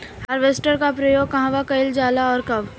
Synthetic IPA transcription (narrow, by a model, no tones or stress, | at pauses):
hɐɾʋesʈəɾkapɾɐjoːɡ̚kɐɦãʋakɐɪld͡ʒaːlaɔːɾkɐʋ